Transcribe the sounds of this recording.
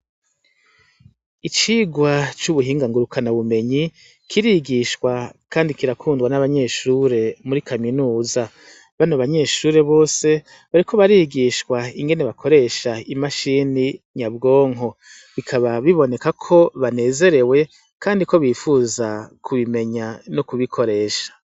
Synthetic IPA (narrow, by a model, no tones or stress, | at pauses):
it͡ʃiːɡwat͡ʃuβuɦiːŋɡaŋɡuɾukʰanaβume̞ɲi | kʰiɾiɡiʃwakaːndikiɾakʰuːndɡwanaβaɲe̞ːʃuːɾe̞muɾikʰaminuːza | βanoβaɲe̞ːʃuːɾe̞βo̞ːse̞ | βaɾikʰo̞βaɾiɡiʃkwaiŋɡe̞ne̞βakʰo̞ɾe̞ːʃaimaʃiːniɲabɡo̞ːŋɦo̞ | βikʰaβaβiβo̞ne̞kakʰo̞βane̞ːze̞ɾe̞we̞ | kʰaːndiko̞βiːfuːzakʰuβime̞ɲanokuβikʰo̞ɾe̞ːʃḁ